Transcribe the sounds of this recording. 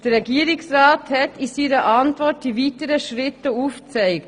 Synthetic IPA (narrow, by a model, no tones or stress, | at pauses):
d̥əʁɛɡiːəɾɪksrɑːthɛtisiːɾəʔɑntvɔt̚d̥iviːtəɾəʃɾɪtːəuːft͡sɛɪkt